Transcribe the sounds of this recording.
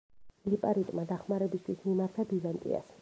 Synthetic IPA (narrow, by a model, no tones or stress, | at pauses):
lipʼaɾit̪ʼmad̪aχmaɾɛbist̪ʰwismimaɾt̪ʰabizant̪ʼḭa̰s